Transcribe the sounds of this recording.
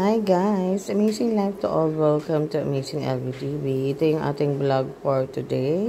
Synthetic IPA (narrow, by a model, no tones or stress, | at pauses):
ajɡaɪsəmezɪ̃ŋlajft̪uʔɔlwɛlkə̃mt̪uə̰mezɪ̃ŋɛ̰lvitiviːt̪ẽŋa̰t̪ɪ̃ŋblɔɡ̚fɔɹt̪ude